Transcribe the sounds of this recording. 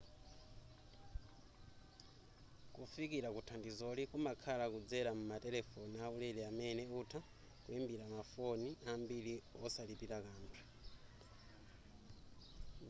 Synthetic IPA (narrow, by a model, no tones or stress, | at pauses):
kufikiɾakutʰandizɔlikumakʰalakud͡zɛɾamumatɛlɛfɔnaulɛlɛamɛnɛutʰa | kuimbiɾamafoniambiliɔsalipiɾakaːmpʰi̥